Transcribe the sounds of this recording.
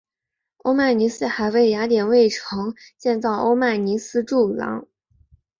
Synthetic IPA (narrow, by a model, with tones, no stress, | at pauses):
o̰˥ʊma˥˩ni˧˥sɹ̩˥xa˨˧˩ɪwe˥˩ɪja˧˥t̪jɛ˨˩nwe˥˩ɪʈ͡ʂʰɤ˧˥ŋt͡ɕjɛ˥˧nt͡sɑ˥˩ʊʔo̰˥ʊma˥˩ni˧˥sɹ̩˥ʈ͡ʂu˥˩lɑ̰˧˥ŋ